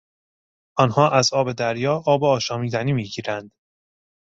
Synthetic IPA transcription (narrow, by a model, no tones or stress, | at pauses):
ʔɒnhɒːʔæzɒːbe̞d̪æɾjɒːʔɒːbeɒːʃɒːmiːd̪æniːmiːɟiːɾænd̪̥